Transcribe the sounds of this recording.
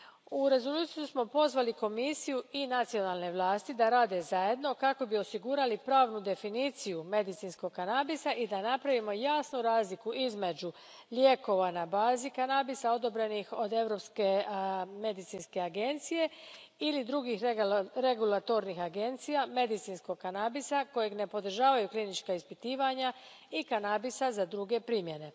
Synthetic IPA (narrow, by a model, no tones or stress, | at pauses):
uɾe̞zo̞luːt̪sijusmo̞po̞zʋaliko̞misijuinat̪sijo̞nalne̞ʋlˠaːst̪id̪aɾaːd̪e̞zaje̞d̪no̞kako̞bio̞siɡuːɾalipɾaːʋnud̪e̞finiːt̪sijume̞d̪it̪insko̞ɡkːanabisaʔid̪anapɾaʋimo̞jaːsnuɾaːzlikuʔizme̞d͡ʒu | lʲjeko̞ʋanabaːzikanabisao̞d̪o̞bɾe̞nixo̞d̪e̞ʋɾo̞pskeme̞d̪it̪sinske̞aɡe̞nt̪sije̞ | ilid̪ɾuɡixɾe̞ɡulˠat̪o̞ɾnixaɡe̞nt̪sijame̞d̪it̪siːnsko̞ɡ̚kanabisako̞jeɡne̞po̞d̪ɾ̩ʒaːʋajuklinit͡ʃkaispit̪iːʋaɲa | ikanabisazad̪ɾuɡe̞pɾimje̞ne̞